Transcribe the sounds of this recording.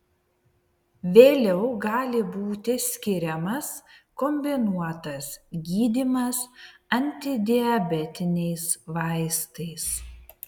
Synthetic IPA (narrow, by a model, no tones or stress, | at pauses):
ʋʲeːlʲɛʊɡɑːlʲɪbuːt̪ʲɪsʲkʲɪɾʲɛmɐskɔmʲbʲɪnuɔt̪ɐsɡʲiːd̪ʲimɐsɐnʲt̪ʲɪd̪ʲɪɐbʲɛt̪ʲɪnʲɛɪsʋɑɪst̪ɐɪs